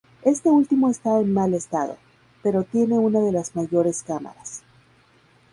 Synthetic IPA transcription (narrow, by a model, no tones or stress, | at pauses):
e̞st̪e̞ult̪imo̞est̪aenmale̞st̪aðo̞̰ | pe̞ɾo̞t̪je̞ne̞unað̞e̞lazmaʝo̞ɾe̞skama̰ɾas